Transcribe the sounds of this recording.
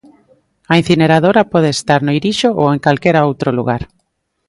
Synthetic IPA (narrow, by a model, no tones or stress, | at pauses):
ɐin̟θineɾaðoɾapɔðeest̪aɾnoiɾiʃoʔoeŋkalkeɾaowt̪ɾolṵɣaɾ